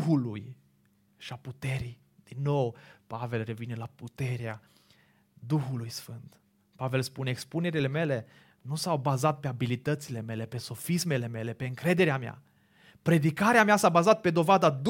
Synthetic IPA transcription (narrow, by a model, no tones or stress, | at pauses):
ɦuluj | ʃiaput̪e̞ɾi | d̪̥inːo̞wpave̞lre̞vine̞laput̪e̞ɾea | d̪uxulujsfɨnt̪ | pave̞lspuneekspune̞ɾile̞me̞le̞ | nusawbazat̪̚pe̞abilit̪ət̪sile̞me̞le̞pe̞so̞fisme̞le̞me̞le̞pe̞ɨŋkɾe̞d̪e̞ɾeamea̰ | pɾe̞d̪ikaɾeameasabazat̪̚pe̞d̪o̞vad̪ad̪